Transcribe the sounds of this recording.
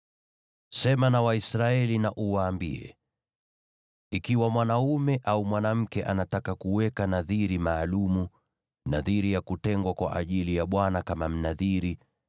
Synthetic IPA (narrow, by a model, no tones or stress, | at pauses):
sɛmanawaisɾaɛlinaʔuwaːmbiɛ̰ | ikiwamwanaumɛʔaumwanam̩kɛʔanatakakuwɛkanaðiɾimaːlumu | naðiɾijakutɛŋɡwakwa̰ʔa̰ʄilijaɓwanakamam̩naðiɾi